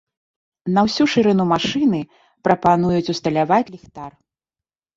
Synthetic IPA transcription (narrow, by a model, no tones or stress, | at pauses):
nɐwsʲuʂɨɾɨnumaʂɨnɨ | pɾɐpanujut͡sʲust̪ɐlʲavat͡sʲlʲixt̪ar